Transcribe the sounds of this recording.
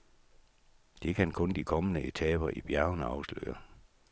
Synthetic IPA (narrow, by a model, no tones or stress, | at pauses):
d̥e̝kʰænkʰɔ̽nd̥ikʰɒ̽mənəʔe̝t͡sʰɛːb̥ɐʔib̥jæɐnəɑ̈ʊslø̰ːɐ